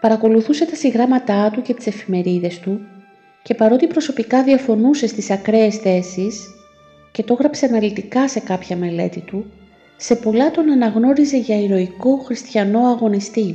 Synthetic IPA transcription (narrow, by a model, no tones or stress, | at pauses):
pɐɾɐko̞luθuse̞t̪ɐsiɣɾɐmɐt̪ɐt̪uce̞t̪i̥se̞fime̞ɾiðe̞st̪u | ce̞pɐɾo̞t̪ipɾo̞so̞pikɐðiɐfo̞nuse̞st̪isɐkɾe̞ːsθe̞sis | ce̞t̪o̞ɣɾɐpse̞ɐnɐlit̪ikɐse̞kɐpçɐme̞le̞̰t̪it̪u | se̞po̞lɐt̪o̞nɐnɐɣno̞ɾize̞ʝɐiɾo̞iko̞xɾist̪çɐno̞ɐɣo̞nist̪i